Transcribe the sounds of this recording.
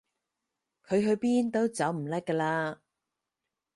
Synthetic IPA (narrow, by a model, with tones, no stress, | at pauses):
kʰɵ˨˧ɥɦɵ˧ɥpiː˥nt̪o˥wt͡sɐ˨˥wm̩˨˩lɐ˥kːəː˧laː˧